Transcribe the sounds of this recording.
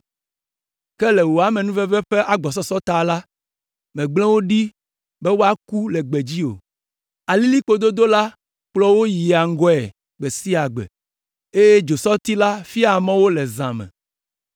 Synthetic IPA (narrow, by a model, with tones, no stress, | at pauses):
kɛ˦lɛ˨wo˨a˨mɛ̃˨nũ˦vɛ˦vɛ˦ɸe˦ʔa˨ɡ͡bɔ˨s̬ɔ˦sɔ˦t̪a˨la˦ | mɛ̃˨ɡ͡blɛ̃˦wo˦ɖi˦ | bɛ˦wo˦a˦ku˦lɛ˨ɡ͡bɛ˨d͡ʑi˦o̰˨ | a˨li˦li˦k͡po˨d̪o˦d̪o˦la˦ | k͡plɔ˦wo˦ji˨a˨ŋ̩˦ɡɔ˦ɛ̰˨ | ɡ͡bɛ˨si˦a˨ɡ͡bɛ̰˨ | e˦je˦d͡ʒo˨sɔ˦t̪i˦la˦fi˦a˨mɛ̃˦wo˦lɛ˨zã̰˨mɛ̰̃˨